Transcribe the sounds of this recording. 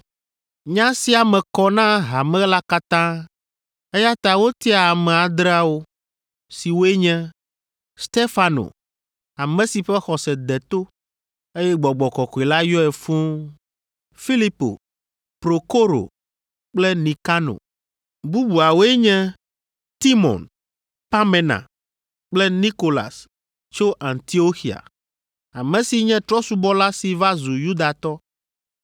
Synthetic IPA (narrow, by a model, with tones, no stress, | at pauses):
ɲã˦si˦a˨mɛ̃˨kɔ˦nã˦ɦa˨mɛ̃˦la˦ka˦t̪ã˦ | e˦ja˦t̪a˨wo˦t̪i˦a˨a˨mɛ̃˨a˨d̪ɾa˦wo˦ | si˨wo˦e˦ɲɛ̃˦ | st̪e˦fa˨no̰˨ | a˨mɛ̃˨si˨ɸɛ˦xɔ˨sɛ˨d̪ɛ˨t̪o˦ | e˦jɛ˦ɡ͡bɔ˨ɡ͡bɔ˨kɔ˨kɔ˨i˨la˦jɔ˦ɛ˨fũ˦ | fi˦li˦po̰˨ | pɾo˨ko˦ɾo̰˨ | k͡plɛ˦nĩ˨ka˦no̰˨ | bu˦bu˨a˨wo˦ɛ˦ɲɛ̃˦ | t̪i˦mɔ̰˨n | pa˦mɛ̃˨nã̰˨ | k͡plɛ˦ni˦ko˨la̰˨s | t͡ʃo˦ʔa˨nt̪i˦o˦xi˨a̰˨ | a˨mɛ̃˨si˨ɲɛ̃˦t̪ɾɔ˦su˦bɔ˦la˦si˨va˦zu˨ju˦d̪a˨t̪ɔ˦